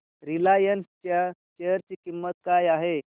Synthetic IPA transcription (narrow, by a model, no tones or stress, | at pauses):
ɾilajənst͡ɕjaɕejəɾt͡ɕikimːət̪̚kajaɦe